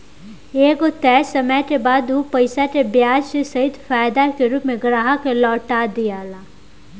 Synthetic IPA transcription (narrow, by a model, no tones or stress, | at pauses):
eːɡot̪ɛːsɐmɛt̪ebaːd̪uːpɐɪsaʈebjaːd͡ʒsesɐɦɪd̪faːjd̪akeɾuːpmẽɡɾaːɦakelɔːʈad̪ijaːlaː